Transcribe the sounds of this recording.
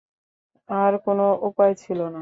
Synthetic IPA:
aɾkonoʔupaet͡ɕʰilona

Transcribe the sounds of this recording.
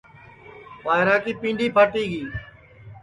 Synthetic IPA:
baːɪɾaːkiːpĩːɳɖiːpaːʈiːɡiː

